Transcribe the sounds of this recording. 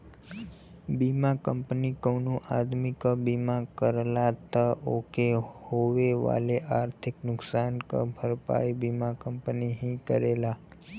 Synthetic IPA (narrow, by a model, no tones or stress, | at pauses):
bimakəmpnikəwnũʔad̪mikəbimakəɾlat̪əʔokehoʋeʋa̰leʔaɾt̪ʰiknʊksankə̰bʱəɾpa̰jbimakəmpniɦĩkəɾela